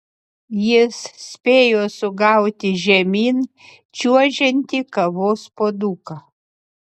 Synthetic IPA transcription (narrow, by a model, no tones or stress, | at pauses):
jɪssʲpʲeːjoːsʊɡɑˑʊt̪ʲɪʒʲɛmʲiːn | t͡ʃʲuɔʒʲɛnʲt̪ʲɪkɐʋoːspoːd̪uːkɐ